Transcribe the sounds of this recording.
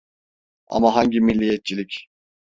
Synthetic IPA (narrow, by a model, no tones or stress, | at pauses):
a̰maɦaɲɟimilʲːijɛt̪̚t͡ʃʰilʲic